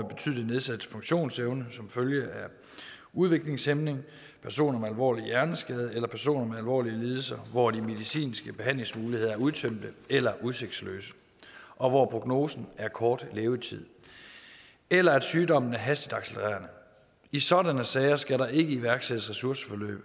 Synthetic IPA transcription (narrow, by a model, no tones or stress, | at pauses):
b̥e̝t͡sʰyð̰ˠlˠine̝ð̞ˠsæd̥fɔ̽ŋɕo̝̰ːnseʊnəsɒ̽mføljəʔæ | uð̞ˠʋe̝ɡ̥le̝ŋsemne̝ŋ | pʰæɐso̝̰ːnɐmeælʋɒ̰ːlijæɐnəsɡ̥ɛːð̞ˠelɐpʰæɐso̝̰ːnɐmeælʋɒ̰ːliəliːð̞ˠl̩sɐʋɒd̥ime̝ðˠisḭːnsɡ̥əb̥e̝ɦæn̰le̝ŋsmuːliheð̰ˠɐæɐuðˠt͡sʰøm̰d̥əelɐʔuð̞ˠse̝ɡ̥d̥slø̰ːsə̥ | ʔɒ̽ʋɒpʰʁo̝ɡ̥no̝̰ːsn̩æɐkʰɒːd̥leːʊt͡sʰið̰ˠ | elɐæd̥syːdɒ̽m̰n̩æɐɦæsd̥id̥ɑ̈ɡ̥seləʁæ̰ːɐnə | isɒ̽dænəsɛːɐsɡ̥æɾɑ̈ʔe̝ɡ̥əiʋæɐɡ̥sed̥əsʁɛsuɐsə̥fɒ̽lø̰ːb̥